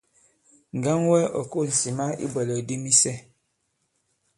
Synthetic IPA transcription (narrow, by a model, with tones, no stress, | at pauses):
ŋ̩˨ɡa˦ŋwɛ˦ɔ̰˨ko˦˨n̩˨si˨ma˦ḭ˦bə˨lə˨di˦mi˦sɛ˦